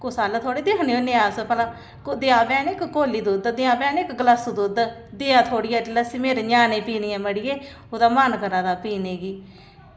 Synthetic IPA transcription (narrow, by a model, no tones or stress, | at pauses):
kʊsaːlət̪ʰoːɽeːd̪ɪkʰneːoneaːspəla | kd̪ɪãːbɛ̃ːnɪkkoːlːiːd̪ud̪d̪ɪãːbɛːnɪkɡəlasd̪uːd̪d̪eːãːt̪ʰoːɽɪjaːləsiːmeːɾeːɲaːnẽːpiːniːãːməɽɪjeː | oːd̪aːmankəɾãːd̪aːpiːneːɡiː